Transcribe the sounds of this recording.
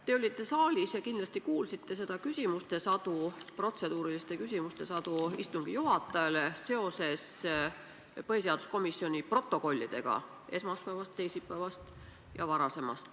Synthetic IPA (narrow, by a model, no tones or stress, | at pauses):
t̪e̞o̞lʲːit̪ˑːe̞sɑːlʲisjɑkind̪lɑst̪ikuːlsit̪ːe̞s̬e̞d̪̥ɑkysʲimust̪e̞sɑd̪̥upro̞t̪se̞d̪̥uːɾilist̪e̞kys̬ʲimust̪e̞sɑd̪uist̪uŋɡ̥ijuɦɑt̪ˑːɑelese̞o̞se̞s | pɤhes̬eɑd̪usko̞misːio̞nʲipro̞t̪ːˑo̞ko̞lʲːid̪̥e̞̰ɡ̥ɑ̰ | e̞smɑspæːvɑst̪ːe̞jsipːˑæːvɑst̪ | jɑvɑɾɑse̞mɑ̰st̪